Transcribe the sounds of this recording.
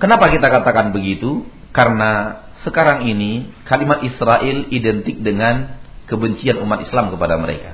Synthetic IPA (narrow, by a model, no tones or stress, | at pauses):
kənapakit̪akat̪akanbəɡit̪u | karəna | səkaɾaŋinikalimat̪̚isɾaʔɪlidɛnt̪ɪk̚dəŋankəbəɲt͡ʃianumat̪islamkəpadaməɾḛka